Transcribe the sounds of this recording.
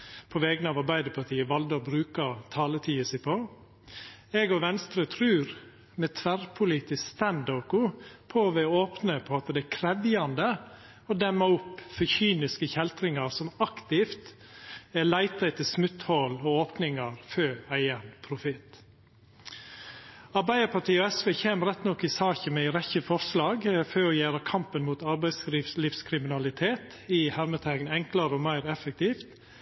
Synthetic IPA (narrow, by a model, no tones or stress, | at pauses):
pʰɔʋɛːɡnəɑːʋɑɾbæɪd̪əpʰɑʈʰiːəʋɑld̪əbɾʉːkɑt̪ʰɑːlət̪ʰiːəsɪpʰo | ɛɡɔʋɛnst̪ɾət̪ʰɾʉːɾ | mɛt̪ʰʋæɾpʰʊliːt̪ɪsst̪ænd̪oːkʊpʰoʋɛɔoːpnəpʰɔɑt̪d̪ɛækʰɾɛʋjɑnd̪ə | ɔd̪ɛmːɑʊpːfɔçyːnɪskəçɛlt̪ɾɪŋɑɾsɔmɑkt̪ɪft̪ | ælæɪt̪ɑt̪ʰɪlsmʉt̪hɔlɔoːpnɪŋɑɾføːæɪənpʰɾʊfɪt̪ | ɑɾbæɪəɾpʰɑʈʰiːɔɛsʋeːçeːməɾɛt̪ːnɔkːɪsɑːçəmɛɪɾɛçəfɔɾʂlɑːɡføːɔjæːɾɑkʰɑmpənmuːt̪ɑɾbæɪsɾɪlɪːfskʰɾɪmɪnɑlɪt̪ʰeːt̪ | ɪhæɾmət̪ʰæɡnɛŋklɑɾəɔmæɪɾɛfɛk̚t̪ʰiːft̪